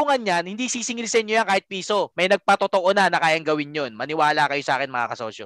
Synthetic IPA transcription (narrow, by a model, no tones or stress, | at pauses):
ʊŋɐnanhɪnd̪iːsiːsɪŋlɪsɛnɲojaŋkaːhɪt̪̚piːso̞mɐjnɐɡ̚pɐt̪ot̪oʔonanɐkaːjɐŋɡɐwɪnjonmɐnɪwaːlakɐjo̞sɐaːkɛnmɐŋa̰kɐso̰ːʃo̰